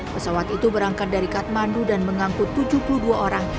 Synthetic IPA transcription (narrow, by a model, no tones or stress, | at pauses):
pəsawat̪it̪ubəɾaŋkat̪̚daɾikat̪̚mandudanməŋaŋkʊt̪ːud͡ʒupuluhduaʔoɾaŋ